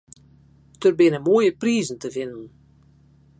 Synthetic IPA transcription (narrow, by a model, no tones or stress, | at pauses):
dərbɪnəmoəjəpriːzn̩təvɪnən